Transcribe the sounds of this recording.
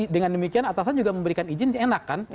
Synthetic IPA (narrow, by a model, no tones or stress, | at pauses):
dəŋandəmikianat̪asand͡ʒuɡaməmbəɾikanid͡ʒɪnenakːan